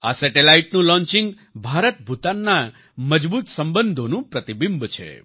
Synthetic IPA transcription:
a̰sɛʈelaiʈnũlɔ̃ɲt͡ʃĩŋɡ | bʱaɾət̪̚bʱut̪anːa | məd͡ʒbut̪səmbənd̪ʱonũpɾət̪ibimbt͡ʃʰḛ

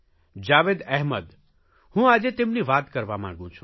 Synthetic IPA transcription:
d͡ʒaʋed̪ɛɦməd̪ | hũad͡ʒet̪emniʋat̪kəɾʋamã̰ɡũt͡ʃʰũ̥

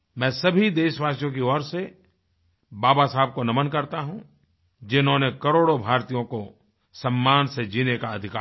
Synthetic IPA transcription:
mɛ̃ːsɐbʱid̪eːʃʋaːsjõkiɔːɾse | baːbasaːb̚konɐmənkɐɾt̪aɦũ | d͡ʒɪnɦõnekɐɾoːɽobʱaːɾt̪ijõko | sɐ̃mːaːnsed͡ʒiːnekaɐd̪ʱɪkaː

